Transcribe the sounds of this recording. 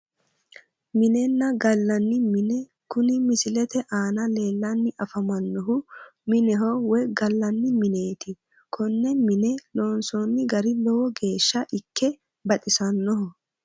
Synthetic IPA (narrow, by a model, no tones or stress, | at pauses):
mɪnɛnːɐɡɐlːɐnːɪmɪnɛ | kʊnɪmɪsɪlɛt̪ɛʔaːnɐle̞ːlːɐnːɪʔɐfɐmɐnːɔɦʊmɪnɛɦɔwɛɡɐlːɐnːɪmɪneːt̪ɪ | kʰɔnːɛmɪnɛloːnsɔnːɪɡɐɾɪlɔwɔɡe̞ːʃːɐʔɪkːɛ | bɐt̪ʼɪsɐnːɔɦɔ